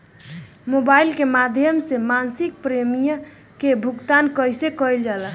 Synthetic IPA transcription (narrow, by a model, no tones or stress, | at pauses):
mobailkemad̪ʱjəmsemansik̚pɾemijə | kebʱukt̪ankəjsekəjld͡ʒalə